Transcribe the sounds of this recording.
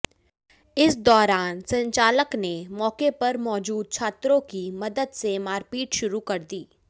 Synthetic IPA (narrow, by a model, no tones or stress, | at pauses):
ɪsd̪ɔːɾaːnsɐ̃ɲt͡ʃaːləknemɔːkepɐɾmɔːd͡ʒuːd̪̚t͡ʃʰaːt̪ɾõkimɐd̪əd̪semaːɾpiːʈʃʊɾukɐɾd̪iː